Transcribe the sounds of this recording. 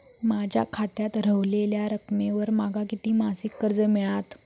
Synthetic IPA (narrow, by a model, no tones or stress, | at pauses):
mad͡ʑʱja̰kʰat̪jat̪ɾəʋleljaɾəkmeʋəɾmaɡʱakit̪iːmasikːəɾd͡zəmiɭat̪